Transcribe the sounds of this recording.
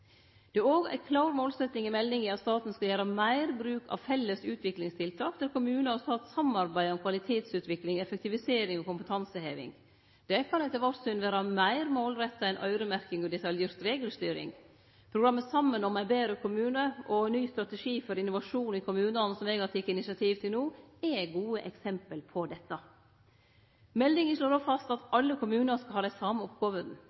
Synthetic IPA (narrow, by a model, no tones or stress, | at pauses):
d̪̥ɛæɾoːɡæ̰ɪkʰlɑːɾmoːlsɛt̪nɪŋɪmɛlːɪŋɪɑt̪st̪ɑːt̪n̩skɑjæːɾɑmæɪɾbɾʉːkʰɑ̰ʋfɛlːəsʉːt̪ʰʋɪklɪŋst̪ʰɪlt̪ʰɑːkd̪æɾkʊmʉːnəɑst̪ɑːt̪sɑmɑɾbæɪɔmkʰʋɑlɪt̪ʰeːt̪sʉːt̪ʋɪklɪŋɛfək̚t̪ɪʋɪseːɾɪŋɔkʊmpət̪ʰɑnsəheːʋɪ̰ŋ | d̪̥ɛkʰɑnɛt̪əɾʋɑsʏnʋæːɾɑmæɪɾmoːlɾɛt̪ːɑɛnʔœ̰ʏɾəmæɾkɪŋɔd̪ɛt̪ɑljiːɾt̪ɾeːɡəlst̪yːɾɪ̰ŋ | pʰɾʊɡɾɑmːəsɑmːənɔmæɪbeːɾəkʰʊmʉːnəʔɔnyːst̪ɾɑt̪ɛʂiːfɔɾɪnːʊʋɑʂuːnɪkʰʊmʉːnɑnəsɔmɛɡɑt̪ʰɪkːəɪnɪsɑt̪ʰiːʋt̪ʰɪlnuːɛɡuːəʔɛksɛmpəlpʰɔd̪ɛt̪ːɑ | mɛld̪ɪŋəʂɭoːɾofɑst̪ɑt̪ɑlːəkʰʊmʉːnəskɑhɑːd̪æɪsɑməɔp̚ɡoːʋəd̪n̩